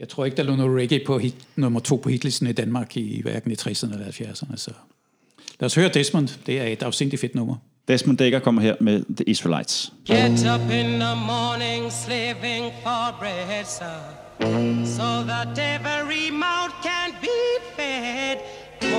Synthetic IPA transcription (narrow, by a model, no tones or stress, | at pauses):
jɑ̈ɪt͡sʰo̝ɐeɡəd̥ɑ̈lo̰ːnoːl̩ˠʁeɡ̥ipʰɒ̽hid̥nɔmɐt͡sʰo̝̰ːpʰɒ̽hid̥lisn̩id̥ænmɑ̈ːɡ̥iʋæ̰ɐɡ̥n̩it͡sʰʁɛsəɐn̩elɐhælfjæɐsɐnəæsɒ | læːɒshøːɐd̥esmɔnd̥d̥e̝æɐe̝d̥ɑ̈ʊsen̰d̥ife̝d̥nɔ̽mɐ | d̥esmɔnd̥eeɡ̥ɐkʰɒ̽m̰ɐɦeɐ̰meðəʔisʁəlɑɪ̰d̥sɡ̥ɛɾʌpɪ̃nðəmɔɹnɪ̃ŋslivɪ̃ŋfəbɹɛsə | soʊðəɾɛvəɹimoʊt̚kʰæ̃nb̥ifɛd̥